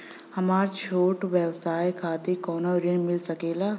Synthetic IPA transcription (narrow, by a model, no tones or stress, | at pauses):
hɐmaːɾt͡ʃʰoːʈʋjəwsaːjkʰaːt̪ekɔːnoɾɪnmɪlsɐkeːlaː